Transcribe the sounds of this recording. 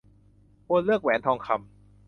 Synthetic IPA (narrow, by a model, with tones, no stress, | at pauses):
kʰo˧nlɯ˥˩ək̚wɛː˩˦nt̪ʰɔː˧ŋkʰa˧m